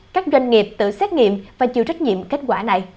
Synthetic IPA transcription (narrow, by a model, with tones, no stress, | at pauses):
kaː˦˥k̚zwa˧jŋ̟ŋi˨˩p̚t̪ɨ̰˧˨sɛ˦˥t̚ŋḭ˧˨əmvaː˨˩t͡ɕi˨əwt͡ɕa˦˥k̚ɲḭ˧˨əmke˦˥t̚kwaː˧˩na˨˩j